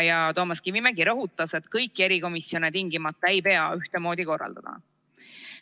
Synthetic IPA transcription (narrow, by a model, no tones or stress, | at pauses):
jɑt̪o̞ːmɑskivimeɡiɾɤɦut̪ːˑɑse̞t̪kɤjkːˑe̞ɾiko̞misjo̞net̪iŋɡimɑt̪ːˑɑe̞jpe̞ɑyht̪emo̞ːd̪iko̞rːɑ̰ld̪̥ɑ̰d̪̥ɑ̰